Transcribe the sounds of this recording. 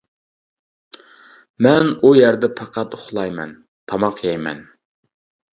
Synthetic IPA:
mɛnujæɾd̪ɛpʰɑqʰɑt̪oχlˠɑjmɛ̰n | t̪ʰɑmɑqʰjɑjmɛ̰n

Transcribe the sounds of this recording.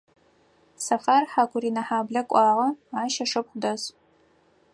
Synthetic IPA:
sɐfaːrħaːkʷʰʊriːnɐħaːbɮɐkʷʼɑːʁɐaːʃɐʂɨp̚χʷʊdɐs

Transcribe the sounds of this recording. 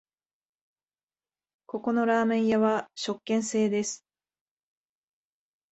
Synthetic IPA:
ko̞ko̞no̞ɾaːmẽ̞ɰ̃jaβaɕo̞kːẽ̞ɰ̃se̞ːd̪e̞sɨ̥

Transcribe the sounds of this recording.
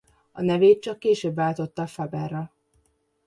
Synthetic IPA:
ɒnɛveːt̪̚t͡ʃɒkːeːʃøːbvaːlt̪o̞t̪ːɒfɒbɛrːɒ

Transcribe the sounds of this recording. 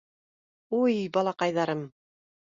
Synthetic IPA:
ujbɑlˠɑqɑjðɑɾɤm

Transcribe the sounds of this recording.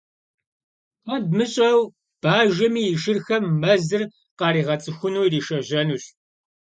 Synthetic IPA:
qɐd̚mɨɕʼɐw | b̥aːʒɐmiːɪʃɪrxɐmːɐzɨr | qɑːɾiːʁɐt͡sʼɨxʷʊnuːiriːʃɐʑɐnuːɕ

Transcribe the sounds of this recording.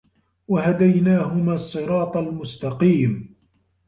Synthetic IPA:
waɦad̪ajnaːɦʊmaːsˤːɨɾɑːt̪ˤalmʊst̪ɑqiːm

